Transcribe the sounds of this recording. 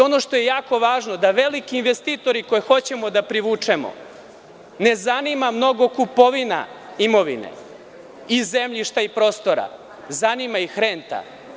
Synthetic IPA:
o̞no̞ʃt̪o̞je̞jaːko̞ʋaːʒnod̪aʋe̞likiːnʋest̪it̪o̞ɾiko̞jexo̞t͡ɕe̞mo̞d̪apɾiʋuːt͡ʂemo̰ | ne̞zanimamno̞ɡo̞kupo̞ʋina̰imo̞ʋḭnḛ | izemʎiʃt̪aipɾo̞ːst̪o̞ɾa̰ | zanimaixɾeːnt̪a̰

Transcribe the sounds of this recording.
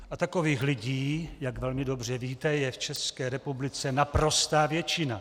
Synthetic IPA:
ʔat̪akoviːxlɪɟiːjaɡvɛlmɪdo̞br̝ɛviːt̪ɛjɛft͡ʃɛskɛːɾɛpublɪt͡sɛnapɾo̞st̪aːvjɛt͡ʃɪna

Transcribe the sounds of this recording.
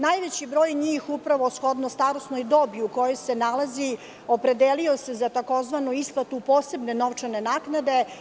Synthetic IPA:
naːjʋet͡ɕibɾo̞ːjɲiːxupɾaʋosxo̞d̪nost̪aɾosnojd̪o̞biuko̞jo̞jse̞nalazi | o̞pɾe̞d̪eliose̞zat̪ako̞zʋanuisplˠat̪upoːse̞bneno̞ʋt͡ʂane̞naknad̪e̞

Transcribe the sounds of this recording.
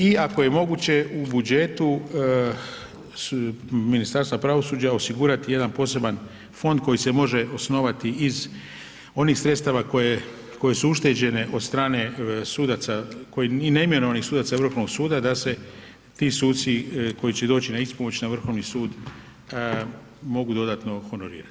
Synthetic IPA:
iako̞je̞mo̞ɡut͡ɕe̞ubud͡ʒe̞t̪u | minist̪aːɾst̪apɾaʋo̞suːd͡ʒao̞siɡuːɾat̪ije̞d̪anpo̞ːse̞ban | fo̞nd̪̚ko̞jise̞mo̞ʒe̞ʔo̞sno̞ʋat̪iiz | o̞nixsɾet̪st̪aʋakoje | ko̞je̞suuʃt̪ed͡ʑe̞ne̞ʔo̞d̪st̪ɾaːne̞suːd̪at̪sako̞jeine̞ime̞no̞ʋanixsuːd̪at̪aʋr̩xoʋnoɡsuːd̪ad̪ase̞ | t̪iːsuːt̪siko̞jit͡ʃe̞d̪o̞ːt͡ɕinaispomo̞t͡ɕnaʋr̩xo̞ʋnisuːd̪ | mo̞ɡud̪o̞d̪at̪no̞xo̞no̞ɾḭːɾat̪i̥

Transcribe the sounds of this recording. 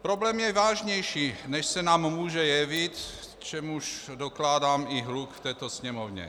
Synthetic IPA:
pɾoblɛmjɛvaːʒɲɛjʃiːnɛʃsɛnaːmːuːʒɛjɛvɪt̪ | t͡ʃɛmuʃdoklaːdaːmɪɦlukft̪ɛːt̪osɲɛmovɲɛ̰

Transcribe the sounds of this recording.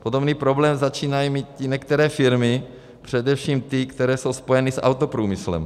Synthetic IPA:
po̞do̞bniːpɾo̞blɛːmzat͡ʃiːnajimiːt̪̚cɪɲɛkt̪ɛɾɛːfɪɾmɪ | pr̥ɛdɛfʃiːmt̪ɪkt̪ɛɾɛːso̞wspo̞jɛnisʔa̰wt̪opɾuːmɪslɛ̰m

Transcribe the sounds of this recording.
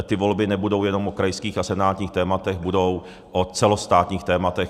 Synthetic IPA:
t̪ɪvo̞lbɪnɛbudo̞wjɛno̞mokɾajskiːxasɛnaːt̪ɲiːxt̪ɛːmat̪ɛɣbudo̞w | ʔot͡sɛlost̪aːt̪ɲiːxt̪ɛːmat̪ɛx

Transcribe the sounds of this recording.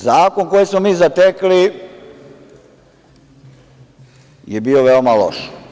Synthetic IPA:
zaːko̞nkojismomiːzat̪ekli | jebiːo̞ʋeomalo̰ʃ

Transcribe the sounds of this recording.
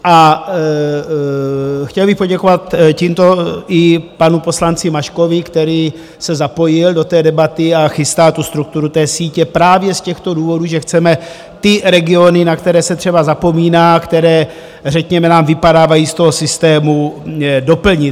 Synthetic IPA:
ʔa | xcɛlbɪxpo̞ɟɛko̞vat̪ciːmt̪o̞ʔɪpanupo̞slant͡sɪmaʃkovɪkt̪ɛɾiː | sɛzapo̞jɪldo̞t̪ɛːdɛbat̪ɪaxɪst̪aːt̪ust̪ɾuk̚t̪uɾut̪ɛːsiːcɛpɾaːvjɛscɛxt̪o̞duːvo̞duʒɛxt͡sɛmɛ | t̪ɪɾɛɡɪo̞nɪnakt̪ɛɾɛːsɛt̪r̝̥ɛbazapo̞miːnaːkt̪ɛɾɛː | rɛkɲɛmɛnaːmvɪpadaːvajiːst̪o̞ɦo̞sɪst̪ɛːmudo̞pl̩ɲɪ

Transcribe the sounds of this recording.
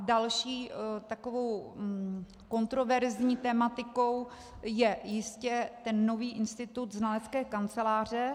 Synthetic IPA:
dalʃiːt̪akovo̞w | ko̞nt̪ɾo̞vɛɾzɲiːt̪ɛmat̪ɪko̞w | jɛjɪscɛt̪ɛnːo̞viːʔɪnst̪ɪt̪ut̪znalɛt͡skɛːkant͡sɛlaːr̝ɛ

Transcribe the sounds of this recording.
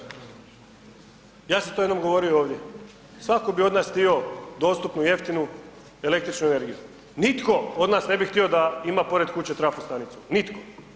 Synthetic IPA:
jaːset̪ojenomɡo̞ʋo̞ɾijooːʋd̪je̞ | sʋakobio̞d̪naːst̪io̞d̪o̞ːst̪upnuje̞ft̪inu | e̞le̞kt̪ɾit͡ʃnuene̞ɾɡiju | nit̪ko̞o̞d̪naːsne̞bixt̪io̞d̪aimapo̞ɾed̪kut͡ɕet̪ɾafust̪anit̪sunit̪ko

